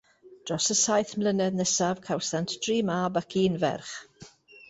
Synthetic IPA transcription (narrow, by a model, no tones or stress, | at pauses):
d̥rɔsəsajθmlənɛðnɛsavkʰawsantʰd̥riːmaːbakʰiːnvɛ̰rχ